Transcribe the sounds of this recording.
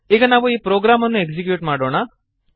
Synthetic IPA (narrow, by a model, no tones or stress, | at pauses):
ekənaʋoipɾoɡɾamənũekzikjuːʈmaɽoɽ̃a